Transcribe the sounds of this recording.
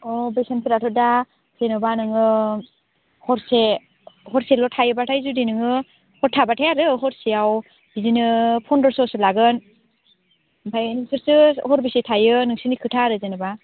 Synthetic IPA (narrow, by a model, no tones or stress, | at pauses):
ɔbejsanpiɾatʰɔda | z̥enɯbanɯŋɯ | hɔɾse | hɔɾselɔtʰajɯbatʰajzudinɯŋɯ | hɔɾtʰabatʰajaɾɯɦɔɾsiaw | bizinɯpʰɔndɔɾsɔsɯlaɡɯn | pʰajnɯŋsʰɯɾsɯhɔɾbisetʰajɯnɯŋsɯnikʰɯtʰaɾɯzenɯba